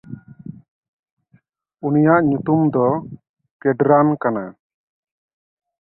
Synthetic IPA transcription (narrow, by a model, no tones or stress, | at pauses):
unijaʔɲut̪umd̪ɔ | kɛɖɾankana